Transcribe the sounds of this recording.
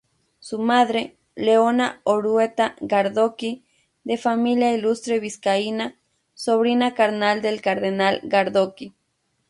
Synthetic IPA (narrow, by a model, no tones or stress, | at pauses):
sumaðɾe | leonaoɾuet̪aɡaɾðoki | d̪efamiljailust̪ɾeβiskaina | soβɾinakaɾnald̪elkaɾðenalɡaɾd̪oki